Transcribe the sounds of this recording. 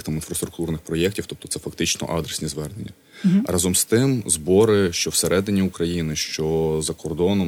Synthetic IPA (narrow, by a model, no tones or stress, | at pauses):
xt̪aminfɾɐst̪ɾʊkt̪urnɪxpɾɔjɛktʲiwt̪ɔp̚t̪ɔ̥t̪ɛfɐkt̪ɪt͡ʃnɔ̰ʔɑd̪ɾesʲnʲizʋɛrnenʲːɐ | ɾʔɑzɔmst̪ɪmzbɔɾɪʃt͡ʃɔwseɾɛd̪ɪnʲiukɾɐjinɪʃt͡ʃɔzɐkɔrd̪ɔnɔm